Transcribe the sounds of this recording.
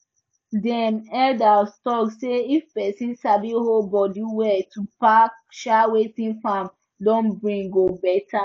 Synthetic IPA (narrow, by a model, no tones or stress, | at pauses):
dɛnɛldastɔkseifpɛsĩnsabiholbɔdiwɛtʰupak | ʃawetĩnfãm | dɔ̃nbɹĩŋɡobɛta